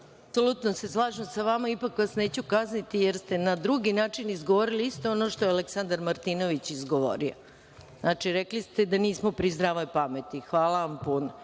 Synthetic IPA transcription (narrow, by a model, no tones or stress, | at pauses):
apsolut̪nose̞slˠaːʒesaʋamaipakʋasne̞ːt͡ɕukaznit̪ijeɾst̪e̞nad̪ɾuɡinaːt͡ʂinizɡoʋoɾiliist̪o̞ono̞ʃt̪ojaleksand̪aɾmaɾt̪ino̞ʋit͡ɕizɡo̞ʋo̰ɾio̰ | znʔaːt͡ʂiɾeklist̪ed̪aniːsmopɾizd̪ɾaʋalipame̞t̪ixʋaːlaʋampuno